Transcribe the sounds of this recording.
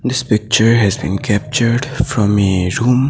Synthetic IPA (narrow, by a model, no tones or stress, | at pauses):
d̪ɪspɪk̚t͡ʃəɾɦɛzbḭ̃ːnkʰɛp̚t͡ʃəɾɖfɾɔ̃meɾũːm